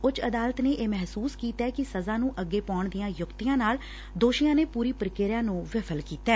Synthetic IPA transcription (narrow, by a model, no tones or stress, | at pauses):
ʊt͡ʃəd̪aːlət̪neːʔeːmɛɦsuːskiːt̪ɛːkɪsəzaːnũːʔəɡːeːpaːɳd̪ɪjãːjʊkt̪ɪjãːnaːl | d̪oːʃijãːneːpuːɾiːpəɾkeːɾjãːnũːʋɪpʰəlkiːt̪ɛː